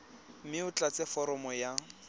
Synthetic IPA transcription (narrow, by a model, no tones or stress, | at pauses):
mɪʊt͡ɬʼat͡sɛfɔɾɔmɔja